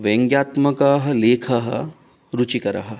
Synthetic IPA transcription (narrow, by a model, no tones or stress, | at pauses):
ʋeŋɡjaːt̪mɐkaːɦɐ̆leːkʰɐɦɐ̰ | ɾut͡ʃikɐɾɐ̰ɦɐ̆